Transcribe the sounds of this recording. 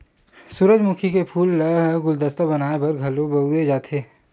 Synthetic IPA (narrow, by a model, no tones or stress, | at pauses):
suːɾəd͡ʒmukʰikepʰuːlːəɡʊld̪əst̪abɐnaːebɐɾɡʱɐlõbɐed͡ʒaːt̪ʰeː